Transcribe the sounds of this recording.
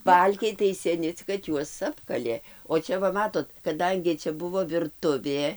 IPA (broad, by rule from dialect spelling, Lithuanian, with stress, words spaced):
ˈbɐlʲkʲɛɪ tɐɪ sʲɛˈnʲɪ t͡sʲɪk kɐt ˈjuɔs ˈɑːpkɐlʲeː oː ˈt͡ʃʲɛ ʋɐ ˈmɑːtoːt kɐˈdɐŋʲɡʲɪ ˈt͡ʃʲɛ ˈbʊʋoː ʋʲɪrˈtʊʋʲeː